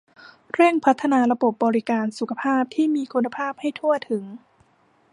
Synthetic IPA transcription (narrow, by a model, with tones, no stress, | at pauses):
ɾɛ˥˩ŋpʰa˦˥t̪ʰːa˧naː˧la˧bo˨˩p̚bɔː˧ɾi˦˥kaː˧nsu˨˩kʰa˧pʰaː˥˩p̚t̪ʰiː˥˩miː˧kʰu˧nːa˧pʰaː˥˩p̚ha˥˩jt̪ʰu˥˩ət̪ʰɯ˩˦ŋ